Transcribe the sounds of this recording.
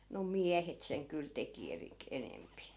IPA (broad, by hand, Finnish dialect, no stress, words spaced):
no miæhet seŋ kyl teki erik enempi